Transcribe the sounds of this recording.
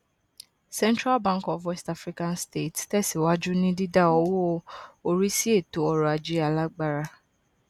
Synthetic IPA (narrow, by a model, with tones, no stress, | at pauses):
sɛ̃˦ntɾa˦lbã˦ŋkɔ˨fwɛ˦sta˦fɾi˦kã˧nste˦˨ttɛ˦˨si˨wa˦d͡ʒu˦nĩ˦di˦da˦ɔ˧wɔ˦o˧o˧ɾi˦si˦e˦˨to˨˦ɔ˧ɾɔ˨a˨d͡ʒe˨˦a˧la˦ɡ͡ba˦ɾa˧